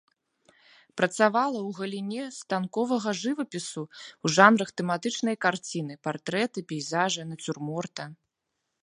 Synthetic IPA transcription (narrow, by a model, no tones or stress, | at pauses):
pɾɐt̪savalˠɐwɣɐlʲinʲɛst̪ankɔvɐɣɐʐɨvɐpʲisuuʐanɾɐxt̪ɛmat̪ɨt͡ʂnɐjkart͡sʲinɨpart̪ɾɛt̪ɨpʲɛjzaʐɨnɐt͡sʲurmɔrt̪ɐ